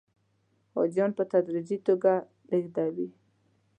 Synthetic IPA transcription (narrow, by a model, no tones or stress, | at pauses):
ɑ̰d͡ʒjɑnpət̪ad̪ɾid͡ʒit̪oɡa | leɡd̪awi